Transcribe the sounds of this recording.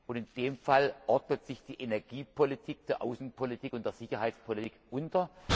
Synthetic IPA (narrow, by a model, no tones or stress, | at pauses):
ʊntɪnd̥eːmfalʔɔɐdnətz̥ɪçd̥iːʔenɛɐɡiːpʰolitʰiːk̚d̥eːɐʔa̰ʊsn̩pʰolitʰiːkʊntd̥eːɐz̥ɪçɐɦaɪtt͡spʰolitiːkʔʊntɐ